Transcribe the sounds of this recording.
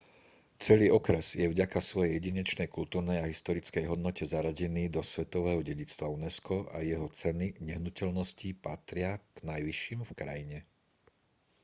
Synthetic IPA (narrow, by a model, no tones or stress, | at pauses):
t͡sɛliːɔkɾɛzjɛvɟakasʋɔjɛjɛɟiɲɛt͡ʃnɛjkult̪uːɾnɛjaɦist̪ɔɾit͡skɛjɦɔd̪nɔcɛzaɾaɟɛniːd̪ɔsʋɛt̪ɔʋɛːɦɔɟɛɟit͡st̪ʋaunɛskɔʔa̰jɛɦɔt͡sɛniɲɛɦnucɛʎnɔscipat̪ɾɪaɡ̥najʋiʃːiːmfkɾa̰jiɲɛ